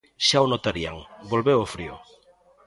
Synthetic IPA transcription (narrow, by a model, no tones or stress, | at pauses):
ʃaonot̪aɾia̰ŋbolβeofɾiʊ̰